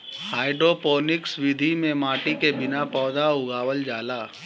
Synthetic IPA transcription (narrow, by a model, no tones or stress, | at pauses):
haːɪɖɾopoːnɪksʋɪd̪ʱimẽmaːʈikebɪnapɔːd̪aʊɡaːʋəld͡ʒaːlaː